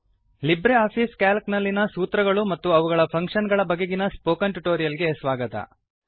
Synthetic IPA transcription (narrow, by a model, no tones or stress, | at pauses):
libɾeaːpʰiːskaːlknɐlːinɐsuːt̪ɾɐɡɐɭumɐt̪ːuɐʋuɡɐɭɐpʰɐŋkʂɐnɡɐɭɐbɐɡːeɡinɐspoːkɐɳʈuʈoːɾijɐlɡe̞sʋaːɡɐt̪ɐ̰